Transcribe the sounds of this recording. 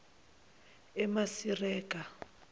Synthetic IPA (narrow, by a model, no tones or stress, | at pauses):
ɛmasirɛːkʼa